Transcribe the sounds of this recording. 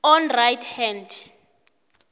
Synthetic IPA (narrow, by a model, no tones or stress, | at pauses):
ɔnrajtʰhɛnd